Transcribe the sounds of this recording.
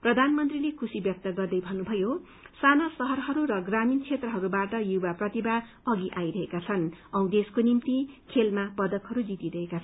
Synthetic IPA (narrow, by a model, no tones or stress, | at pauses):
prʌd̪ʱanmʌnt̪rilekʰusibjʌk̚t̪ʌɡʌrd̪ʌjbʱʌnːubʱʌjo | sanasʌɦʌrɦʌɾuɾʌɡraminkʰet̪rʌɦʌɾubaʈʌjubaprʌt̪iba | ʌɡiʔajɾʌɦekat͡sʰʌnʌw̃d̪eskonimt̪ikʰelmapʌd̪ʌkɦʌɾud͡zit̪iɾʌɦekat͡sʰʌ